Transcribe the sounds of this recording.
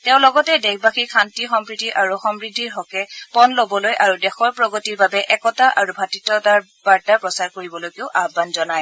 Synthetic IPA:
tɛʊ̃lɔɡɔtɛdɛɡbaxikʰantixɔmpɹidʱiʔaɹuxɔmɹidʱːiɹɦɔkɛpɔnlobɔlojʔaɹudɛxɔɹpɹɔɡɔtiɹbabɛʔɛkɔtaʔaɹubʱatitɔtaɹ | baɹtapɹɔsaɹkoɹibɔlojkeʊʔabanzɔnaj

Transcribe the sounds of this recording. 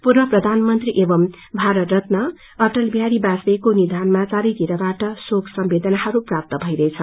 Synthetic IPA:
purbʌprʌd̪ʱanmʌnt̪riʔebʌm | bʱaɾʌrʌt̪nʌ | ʌʈʌlbjaɽibasbekonid̪ʱanmat͡saɾʌjt̪iɾʌbaʈʌsokʰsʌmbed̪ʌnahʌɾuprap̚t̪ʌbʱʌjɾʌjt͡sʰʌ

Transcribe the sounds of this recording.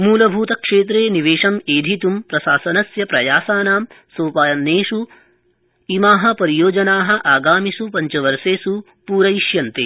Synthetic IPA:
muːlɐbʱuːt̪ɐkʂeːt̪̬ɾeːniʋeːʂɐmeːd̪ʱit̪umpɾɐsaːsɐnɐsjɐpɾɐjaːsaːnaːm | soːpaːjɐnːeːʂu | imaːɦɐ̆pɐɾijoːd͡ʒɐnaːɦɐ̆ʔaːɡaːmisupɐɲt͡ʃɐʋɐɾseːsu | puːɾɐjiʃjɐnt̪eː

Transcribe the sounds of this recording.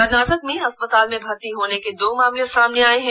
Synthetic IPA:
kəɾnaːʈək̚mẽɐspət̪aːlmẽbʱɐɾt̪iɦoːneked̪oːmaːmlijãsaːmneaːeɦɛ̃

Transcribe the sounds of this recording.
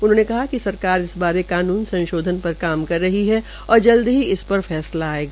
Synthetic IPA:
ʊnɦõːnekɐɦakisɐɾkaːɾɪsbaːɾekaːnuːnsɐ̃nʃoːd̪ʱənpɐɾkaːmkɐɾːɐɦiɦɛ | ɔːɾd͡ʒɐld̪ɦiɪspɐɾfɛːslaːeːɡaː

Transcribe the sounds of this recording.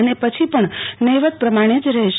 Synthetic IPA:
ənepət͡ʃʰipəɳnəjʋət̪̚pɾəmaɽ̃ed͡ʒɾəɦeʃ

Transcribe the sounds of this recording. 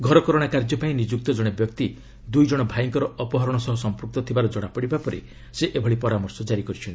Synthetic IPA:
ɡʱɔɾɔkɔɾoɽ̃akaɾd͡ʒɔpaĩnid͡ʒuk̚t̪ɔd͡ʒɔɽ̃ebjɔkt̪i | d̪ujd͡ʒɔɽ̃ɔbʱaiŋkɔɾɔʔɔpɔɦɔɾɔɽ̃ɔsɔɦɔsɔmpɾuk̚t̪ɔt̪ʰibaɾɔd͡ʒɔɽ̃apɔɽibapɔɾḭ | seʔebʱɔɽipɔɾamɔɾsɔd͡ʒaɾikɔɾit͡ʃʰɔn

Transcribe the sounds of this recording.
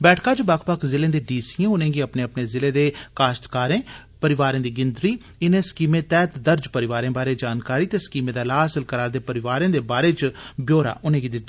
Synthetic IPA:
bɛːʈʰkaːt͡ʃobakʰpəkʰzɪlẽːd̪eːɖiːsiẽːʊnẽːɡiːəpneːəpneːzɪleːd̪eːkaːʃt̪kaːɾẽː | pəɾɪʋaːɾẽːd̪iːɡɪnd̪ɾiː | ɪnẽːskiːmẽːt̪ɛːt̪d̪əɾd͡ʒpəɾɪʋaːɾẽːbaːɾeːd͡ʒaːnkaːɾiːt̪eːskiːmẽːd̪aːlaːsɪlkəɾaːɾd̪eːpəɾɪʋaːɾẽːd̪eːbaːɾeːt͡ʃbjoːɾa̰ːʔʊnẽːɡiːd̪ɪ

